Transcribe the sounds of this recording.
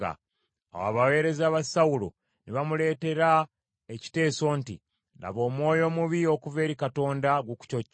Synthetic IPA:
a̰ | a̰wa̰βawe̞ːɾe̞zaːβasawulo̰ | niβamule̞ːte̞ɾa | eci̥te̞ːso̞ːntḭ | nda̰βo̞ːmwo̞ːjo̞ːmuβio̞kuve̞ːɾikato̞ːndaɡuku̥cocː

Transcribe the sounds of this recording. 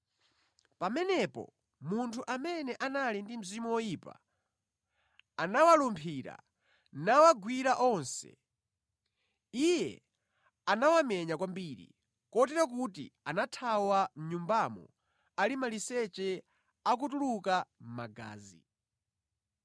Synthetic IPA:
pamɛnɛpɔ̰ | muntʰuʔamɛnɛʔanalindim̩zimuwɔjipa̰ | anawalumpʰiɾa̰ | nawaɡwiɾaʔɔnsɛ̰ | ijɛ̰ | anawamɛɲakwambiɾḭ | kɔtɛɾak̬utḭanatʰawam̩ɲumbamɔ̰ | alimalisɛt͡ʃɛ | ak̬utulukam̩maɡa̰ːzḭ

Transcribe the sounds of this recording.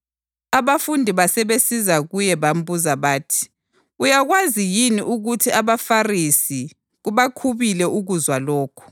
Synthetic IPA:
aβafundʱiβasɛβesizaɣujɛβam̩buzaβaːtʰi̥ | ujaɣwazijiniʔuɣutʰiaβafarisi | ɣuβakʰuβilɛʔuɣuzwalɔːkʰɔ̥

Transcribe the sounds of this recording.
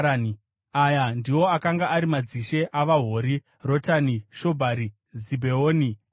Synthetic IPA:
ni | ajandiwo̞akaŋɡaʔaɾimad͡ziʃe̞ʔaʋaɦoːɾi | ro̞taniʃo̞bʱaɾi | zibʱeoːni

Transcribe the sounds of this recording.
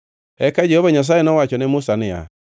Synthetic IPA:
ɛkad͡ʒɔβaɲas̬ajenɔwat͡ʃɔnɛmusanɪja̰

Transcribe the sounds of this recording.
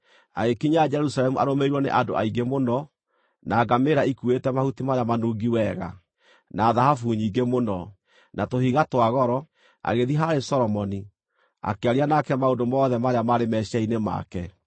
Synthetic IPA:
a̰ɣekiɲaːd͡ʒɛɾusalɛmuʔaɾomeiɾwɔnḛʔado̰ʔaiɡemonɔ | naːɡameɾaikuetɛmahutimajamanuːɡiwɛɣa̰ | naːðahafuɲiːɡemonɔ | natohiɣatwaɣɔɾɔ | a̰ɣeðiɦaɾesɔɾɔmɔni | a̰keaɾianakɛmaodomɔːðɛmajamaɾemɛʃainema̰kɛ

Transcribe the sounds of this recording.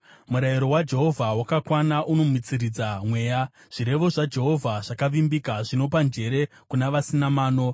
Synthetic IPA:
muɾajiɾo̞wad͡ʒe̞ɦo̞vʱawakakwanaʔuno̞mwit͡sirid͡zamwe̞ːja | ʐ̥iɾe̞ʋo̞ʐad͡ʒe̞ɦo̞vʱaʐ̥akaʋimbikaʐino̞pand͡ʒe̞ɾe̞ | kunaʋasinamaːno̞

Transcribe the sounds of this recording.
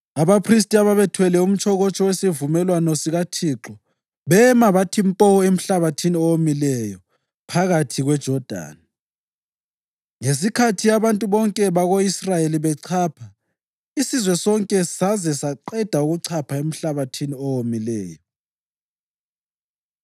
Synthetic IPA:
aβapʰris̬tʼiaβaβɛtʰwɛlɛum̩t͡ʃʰʼɔɣɔt͡ʃʼɔwesivumɛlwanɔsiɣatʰiːǁɔ | βɛmaβatʰimpʼɔɔem̩ɬaβatʰiniɔwomilɛjɔ | pʰaɣatʰiɣwɛd̥ʒ̥ʱɔd̥ʱa̰ːni | ŋes̬ikʰatʰijaβantʼuβɔŋkʼɛβaɣoisrajeliβɛǀʰaːpʰa | isizwɛsɔŋkʼɛsazɛsaǀɛd̥ʱauɣuǀʰapʰaem̩ɬaβatʰiniɔwomilɛːjɔ

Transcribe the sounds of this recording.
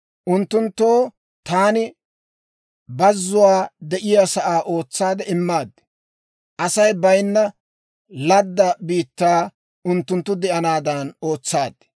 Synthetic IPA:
ʔʊnt̪ːʊnt̪ːoː | t̪aːnɪ | bɐzːʊwaːd̪ɛʔɪjasɐʔaːʔo̞ːt͡sːaːd̪ɛɪmːaːd̪ | ʔɐsɐjbɐjnːɐ | lɐd̪ːɐbiːt̪ːaː | ʊnt̪ːʊnt̪ːʊd̪ɛʔɐnaːd̪ɐno̞ːt͡sːaːd̪̥

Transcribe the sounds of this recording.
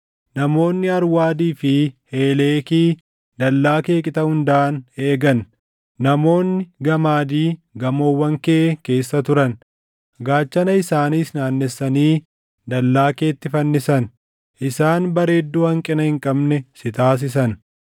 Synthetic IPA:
nɐmo̞ːnːɪɐɾwaːd̪iːfɪhe̞ːle̞ːkiː | d̪ɐlːaːke̞ːkʼɪt̪ɐhʊnd̪aːne̞ːɡɐnː | ɐmo̞ːnːɪɡɐmaːd̪iːɡɐmoːwːɐŋkeːke̞ːsːɐt̪ʊɾɐn | ɡaːt͡ʃːɐnɐɪsaːniːsnaːnːɛsːɐniː | d̪ɐlːaːkeːt̪ːɪfɐnːɪsɐn | ʔɪsaːnbɐɾe̞ːd̪ːuːhɐŋkʼɪnɐhɪŋkʼɐbnɛsɪt̪aːs̬ɪs̬ɐn

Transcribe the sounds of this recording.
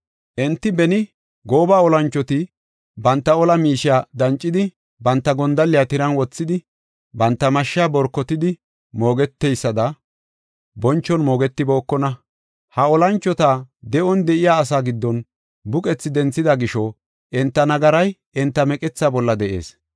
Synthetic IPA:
ʔɛnt̪ːɪbɛnɪ | ɡo̞ːbaːɔlɐnt͡ʃːɔt̪ɪ | bɐnt̪ːɐɔlɐmiːʃɪjaːd̪ɐnt͡ʃʼːɪd̪ɪ | bɐnt̪ːɐɡɔnd̪ɐlːɪjaːt̪ɪɾɐnwɔt͡sːɪd̪ɪ | bɐnt̪ːɐmɐʃːɪaːbɔɾkːɔt̪ɪd̪ɪ | mo̞ːɡɛt̪ːɛjsːɐd̪ɐ | bɔnt͡ʃːɔnmo̞ːɡɛt̪ːɪbo̞ːkːɔnɐ | hɐɔlɐnt͡ʃːɔt̪aːd̪ɛʔɔnd̪ɛʔɪjaːs̬aːɡɪd̪ːɔn | bʊkʼɛt͡sːɪd̪ɛnt͡sːɪd̪ɐɡɪʃɔ | ʔɛnt̪ːɐnɐɡɐɾɐj | ɛnt̪ːɐmɛkʼɛt͡sːaːbɔlːɐd̪ɛʔe̞̰ːs

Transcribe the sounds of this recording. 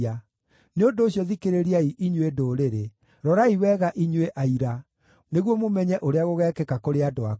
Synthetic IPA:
a | neondoːɕijɔðikeɾeɾiaiʔiɲwedoːɾeɾe | ɾɔɾaiwɛɣaʔiɲweʔaiɾa | neɣwɔmomɛɲɛʔoɾeaɣoɣɛːkɛkakoɾeadoa

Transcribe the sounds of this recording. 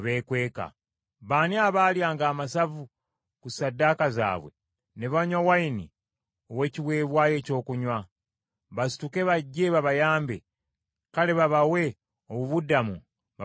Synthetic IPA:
βe̞ːkwe̞ːka̰ | βaːniaβaːljaːŋɡaːmasavu | kusadːakaza̰ːβwe̞̰ | ne̞βaɲwawainḭ | o̞we̞ːciβweːβwaːje̞ːco̞ːkuɲwa | βasi̥tuke̞βaɟːe̞βaβajaːmbe | kale̞βaβawe̞ | oβuβudːamu | βa

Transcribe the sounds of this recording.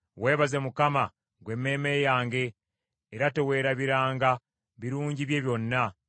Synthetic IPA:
we̞ːβazemukama | ɡwe̞mːe̞ːmejaːŋɡe̞ː | ɾate̞we̞ːɾaβiɾaːŋɡa | βiɾuːɲɟiβje̞ːβjo̞nːa

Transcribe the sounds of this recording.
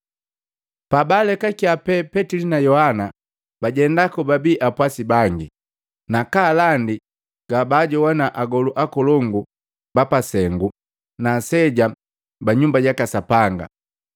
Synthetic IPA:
pabalɛkakiapɛpɛtilinajɔhana | baɟɛndakɔbabiːʔapwasibaŋɡi | nakalandi | ɡ̥abaɟɔwanaʔaɡɔluʔakɔlɔŋɡu | bapasɛŋɡu | nasɛɟa | baɲumbaɟakasapaŋɡa̰

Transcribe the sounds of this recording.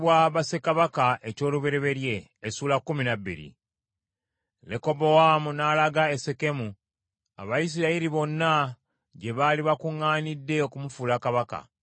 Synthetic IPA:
βwaβase̞kaβakaʔe̞co̞ːluβe̞ɾe̞βe̞ɾje̞ː | suːlakːuminabːḭɾḭ | leko̞bo̞wamunalaɡaese̞ke̞mu | a̰βajis̬iɾaiɾiβo̞nːa | ɟe̞βaliβakuŋːaːnidːe̞okumufulakaβaka̰

